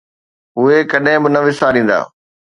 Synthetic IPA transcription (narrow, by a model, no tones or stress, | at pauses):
ɦʊekɐɗɦɪ̃bɪnɐʋɪsaːɾĩːnd̪a̰ː